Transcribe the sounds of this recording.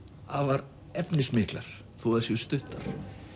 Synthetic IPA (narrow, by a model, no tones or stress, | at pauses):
avaɾ | ɛpnɪsmɪːkla̰ɾ̥ | θuaðsjɛst̪ʏht̪aɾ̥